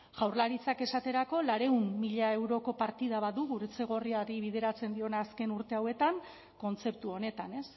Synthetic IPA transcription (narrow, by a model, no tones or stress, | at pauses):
ʝawɾlaɾit͡sake̞sat̪e̞ɾako̞laɾe̞umːiʎae̞wɾo̞ko̞paɾt̪iðaβaðuɣuɾet͡se̞ɣ̞o̞riaɾiβið̞e̞ɾat͡se̞nd̪io̞naːske̞nuɾt̪e̞awe̞t̪aŋ | ko̞nt͡se̞p̚t̪uo̞ne̞t̪ane̞s